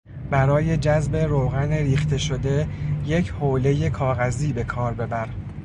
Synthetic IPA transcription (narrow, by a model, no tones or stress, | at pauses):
bæɾɒːje̞d͡ʒæzbe̞ɾoːɣæneɾiːxt̪ʰe̞ʃo̞d̪e̞je̞cʰhoːle̞je̞kʰɒːɣæziːbe̞kʰɒːɾbe̞bæɾ